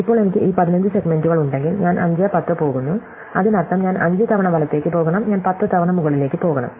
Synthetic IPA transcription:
ipːo̞ːɭnemikʲːɨʔiːpɐðinɐɲd͡ʑɨse̞ɡme̞nduɣɐɭuɳɖe̞ŋɡilɲaːnʔɐ̰ɲd͡ʑaːpɐt̪ːɐpo̞ːɣunːu | ɐðinɐrt̪ːɐmɲaːnɐ̰ɲd͡ʑɐt̪ʰɐʋɐɳɐʋɐlɐt̪ːe̞ːkːɨpo̞ːɣɐɳɐmɲaːnpɐt̪ːɨt̪ɐʋɐɳɐmuɣɐɭile̞ːkʲːɨpo̞ːɣɐɳɐ̰m

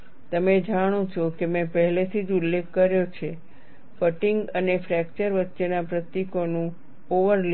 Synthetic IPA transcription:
t̪əmed͡ʒaɽ̃õt͡ʃʰokemɛ̃pəɦlet̪ʰid͡ʒulːekːəɾjot͡ʃʰe | fəʈiŋɡənefɾɛk̚t͡ʃəɾʋət̪ːʃenapɾət̪jikonũ | oʋəɾl

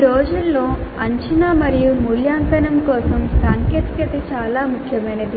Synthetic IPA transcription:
ɾoːd͡ʒulːo̞ːɐɲt͡ʃinamɐɾijumuljaːŋkɐnɐmkɔːsɐmsaːŋkeːʈ̪kɐt̪it͡ʃaːlaːmukʰjɐmɐjnɐd̪i

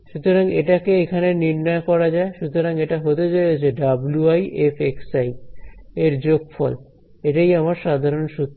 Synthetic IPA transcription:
ʃut̪oɾaŋeʈakeekʰaneniɾnɔokɔɾad͡ʑaeʃut̪oɾaŋeʈaɦot̪ed͡ʑajet͡ɕʰeɖabluajʔefeksaj | eɾd͡ʑoɡfɔl | eʈajamaɾʃad̪ʱaɾonʃut̪ː

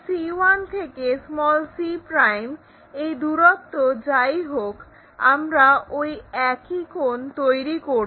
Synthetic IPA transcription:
siant̪ʰekesmɔlsipɾajm | ejd̪uɾɔkt̪od͡ʑajɦok | a̰mɾaʔojɛkikont̪ojɾiko

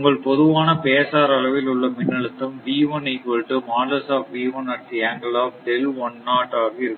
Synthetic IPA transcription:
ʊŋɡɐɭpɔðɯʋaːnɐpeːsaːɾɐɭɐʋɪlʊɭːɐmɪnːɐɭɯt̪ːɐmʋiːʋɐnɐɪkɔɻʈːɯmaːlɐsaːpʋiːʋɐnɐʈ̪ːiaːŋɡɐlaːfɖɛlɔnːaːʈːaːɣiɪɾɯkːɯ

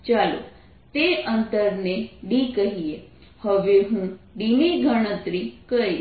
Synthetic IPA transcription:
t͡ʃalo̰ | t̪eənt̪əɾneɖikəɦie | həʋeɦũɖimiɡʱəɽ̃ə̃t̪ɾikəi

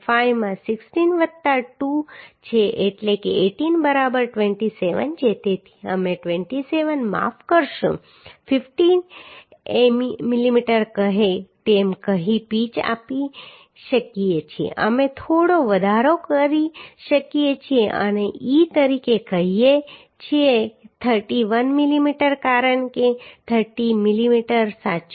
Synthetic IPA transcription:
fajʋmãsɪksʈinʋət̪ːaʈut͡ʃʰeʔeʈlekeeʈinbəɾabəɾʈʋeɳʈiseʋə̰nd͡ʒet̪et̪ʰi̥əmeʈʋeɳʈiseʋənma̰fkəɾʃṵ̃ | fɪfʈin | emimilimiʈəɾkəɦet̪emkəɦipit͡ʃa̰pi | ʃəkiet͡ʃʰiḛʔə̰met̪ʰoɽoʋəd̪ʱaɾokəɾiʃəkiet͡ʃʰieʔə̰neʔit̪əɾikekəɦie | t͡ʃʰiet̪ʰəɾʈiʋənmilimiʈəɾkaɾəɳket̪ʰəɾʈimilimiʈəɾsa

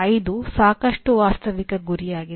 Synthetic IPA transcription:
ɐjd̪usaːkɐʂʈuʋaːst̪ɐʋikɐɡuɾijaːɡi

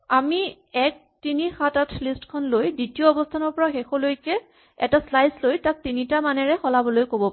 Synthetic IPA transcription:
ami | ɛk̚tinixatatʰlistkʰɔnlojditiɔːbɔstʰanɔɹpɔɹaxexɔlojkɛ | ɛ̰taslajslojtak̚tinitamanɛɹɛxɔlabɔlojkobɔ

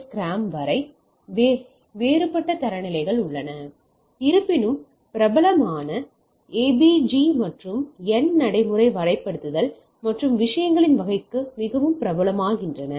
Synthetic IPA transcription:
kɾaːmʋɐɾɐɪ | ʋeːɾɯpːɐʈːɐt̪ɐɾɐnɪlɐɪɣɐɭʊɭːɐnɐ | ɪɾɯpːɪnɯm | pɪɾɐbɐlɐmaːnɐ | eːbid͡ʒimɐʈrɯmɛnnɐɽɐɪmɯrɐɪʋɐɾɐɪpːɐɽɯt̪ːɯðɐl | mɐʈrɯmʋɪʂɐjɐŋɡɐɭɪnʋɐɣɐɪkːɯmɪɣɐʋɯmpɪɾɐbɐlɐmaːɣɪndrɐnɐ

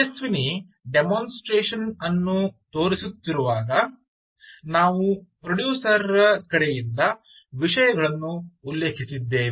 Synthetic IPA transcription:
esʋini | ɖemoːnsʈɾeːʂɐnɐnːut̪o̞ːɾisut̪ːiɾuʋaːɡɐ | naːʋupɾɐɖjuːsɐɾɐkɐɽejind̪ɐ | ʋiʂɐjɐɡɐɭɐnːuːlːe̞ːkʰisid̪ːeːʋ

